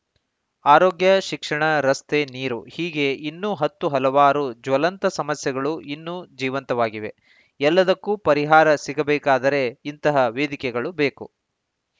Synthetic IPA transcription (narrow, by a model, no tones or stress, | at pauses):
aːɾoːɡjɐʃikʂɐɳɐɾɐst̪eniːɾṵhiːɡe̞inːuːɦɐt̪ːuɦɐlɐʋaːɾud͡ʒʋɐlɐnt̪ɐsɐmɐsjɐɡɐɭuinːud͡ʒiːʋɐnt̪ɐʋaːɡiʋe̞ | ɛlːɐd̪ɐkːupɐɾiɦaːɾɐsiɡɐbɛːkaːd̪ɐɾe̞int̪ɐɦɐʋeːd̪ikɛɡɐɭubeːkṵ